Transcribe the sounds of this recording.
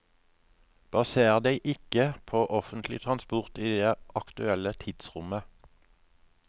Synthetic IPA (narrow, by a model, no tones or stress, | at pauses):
b̥ɑseːʁd̪eɪʔɪkəpʰoːʔɔfənt̪lɪt̪ʰʁɑnspʊʁt̪iːd̪eːʔɑkt̪ʉɛlət̪ʰɪd̪̥sʁʊmə